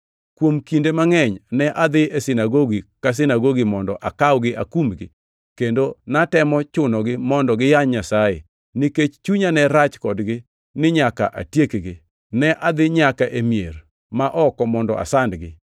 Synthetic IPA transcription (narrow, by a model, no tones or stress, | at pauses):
kwomkindemaŋɛɲnɛʔad̪ɪesɪnaɡoɡikas̬ɪnaɡoɡimɔndɔ̰ʔakawɡɪʔa̰kumɡɪ̰ | kendonatɛmɔt͡ʃʊnɔɡɪmɔndɔɡɪjaɲɲasaḛ | nɪket͡ʃt͡ʃuɲanɛɾat͡ʃkɔdɡɪ | nɪɲaka̰ʔa̰tjekɡɪ | nɛʔad̪ɪɲakaʔemier | maʔɔkɔmɔndɔ̰ʔa̰sandɡɪ̰